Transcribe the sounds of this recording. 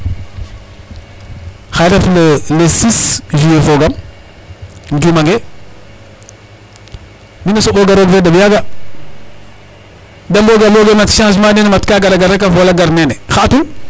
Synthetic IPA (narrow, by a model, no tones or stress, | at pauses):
xajɾafləlesisd͡ʒujefoɡam | ndumaŋɡe | minasoboɡaɾoɡfeɗabjaɡa | damboɡamboɡematʃãʃ̬manenematkaɡaɾaɡaɾak̬afolaɡaɾnenexatu